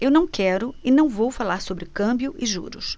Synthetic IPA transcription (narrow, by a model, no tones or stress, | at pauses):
ewnɐ̃w̃kɛɾʊɪnɐ̃w̃vowfalaɾsobɾɪkɐ̃mbjʊʔɪʒṵɾʊ̰s